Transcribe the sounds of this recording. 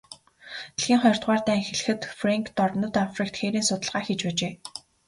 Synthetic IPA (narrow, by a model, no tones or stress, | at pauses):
eɮxiːŋχɔjɞr̥t̪ʁaːrt̪æːŋxeɮɘ̆xɘ̆t̪fraŋkʰt̪ɔrɞnə̆t̪afrik̚t̪xeːɾiːnsʊt̪ə̆ɮʁaːxit͡ɕpæːt͡ɕeː